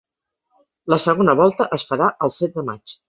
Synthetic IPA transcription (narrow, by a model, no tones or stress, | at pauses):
ləsəɣonəβɔlˠt̪əʔəsfəɾaʔəlˠsɛt̪̚d̪əma̰t͡ʃ